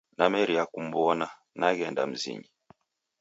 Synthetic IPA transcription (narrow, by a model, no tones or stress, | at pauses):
namɛɾiakum̩bɔna | naɣɛnda̰m̩zḭɲi